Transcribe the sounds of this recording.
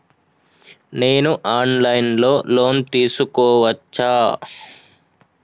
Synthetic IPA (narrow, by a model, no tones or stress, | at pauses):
ne̞ːnuʔaːnlɐjnlo̞ːlo̞ːnt̪iːsukɔːʋɐt͡ʃːaː